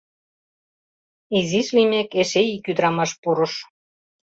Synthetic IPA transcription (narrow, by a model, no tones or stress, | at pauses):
iziʃlijmekeʃeikyd̪ɾɑmɑʃpuɾɤ̆ʃ